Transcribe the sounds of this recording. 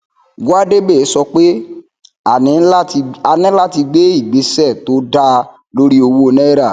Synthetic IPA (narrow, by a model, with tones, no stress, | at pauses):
ɡu˦a˦de˦be˦˨e˨˦sɔ˧k͡pe˦ | a˨nĩ˨˦˧a˧nĩ˦la˦ti˧ɡ͡be˦i˦˨ɡ͡be˨˦sɛ˦˨to˨˦da˧ | lo˦ɾi˦o˧wo˦˧nɛ̃˦ɾa˦˨